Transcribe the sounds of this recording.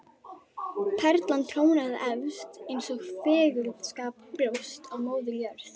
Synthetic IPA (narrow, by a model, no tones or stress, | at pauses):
pʰɛɾt̪lant̪ʰɾoːwnaðɪʔɛvst̪ejnsɔɣfɛːɣʏlðskaːppɾowst̪awmoːwðɪljœɾθ